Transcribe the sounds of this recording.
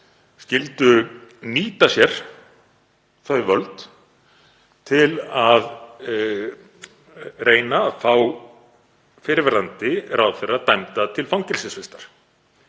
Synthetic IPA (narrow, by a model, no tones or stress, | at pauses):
scɪlt̪ʏniːt̪asjɛɾ̥ | θœːɥvœlt̪ | t̪ʰɪlað | rʔeːjnafaːw | fɪːɾɪvɛɾðant̪ɪɾawθɛrːat̪ajmt̪at̪ʰɪlfawŋcɛlsɪsfɪst̪aɾ̥